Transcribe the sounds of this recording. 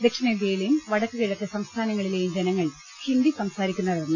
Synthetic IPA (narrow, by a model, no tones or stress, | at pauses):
d̪ekʂɐned̪jeːjilejumʋɐɽɐkːɨkiɻɐkːɐsɐmst̪ʰaːnɐŋːɐɭile̞jumd͡ʑenɐŋːɐɭ | hind̪isɐmsaːɾikʲːunːɐðenːɨ